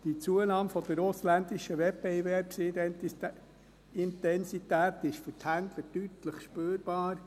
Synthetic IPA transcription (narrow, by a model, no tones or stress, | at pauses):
d̥it͡suənɑːmfɔd̥̪əɾʊslænd̪iʃəʋɛb̥evɛɾps | ɪnt̪ɛnsitæːt̪ɪʃfʏɾthænd̪lədytləχʃpøːɾb̥ɑːɾ